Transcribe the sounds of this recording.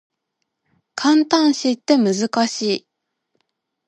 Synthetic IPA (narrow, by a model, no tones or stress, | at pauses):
kʰãnt̪ãɰ̃ɕit̪ːe̞mɯzɨkaɕiː